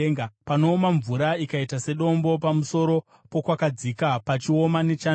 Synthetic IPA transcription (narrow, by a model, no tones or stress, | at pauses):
ŋapano̞ːmaɱvuɾaikaitase̞ɗo̞mbo̞pamuso̞ɾo̞ | po̞kwakad͡zikapat͡ʃio̞mane̞t͡ʃa